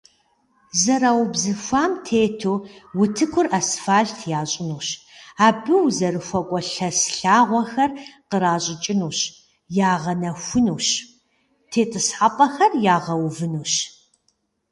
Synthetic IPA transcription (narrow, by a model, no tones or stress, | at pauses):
zɐɾaːwbzɨfʷaːmtʰeːtʰuːwʊtʰɨkʷʰʊrasfaːɬtʰjaːɕʼɪnuːɕ | aːbɨwzɐrɨxʷɔkʷʼɔɬɐsɬaːʁʷɔxɐrqəɾaːɕʼɪt͡ʃʼɪnuːɕ | jaːʁɐnɐxʷʊnuːɕ | tʰeːtʰɨsħaːpʼɐxɐrjaːʁɐwvɨnuːɕ